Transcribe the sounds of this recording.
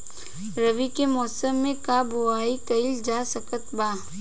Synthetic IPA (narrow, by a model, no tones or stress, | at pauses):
ɾəʋikemɔːsəmːẽkaːboaːikɐɪld͡ʒaːsəkət̪baː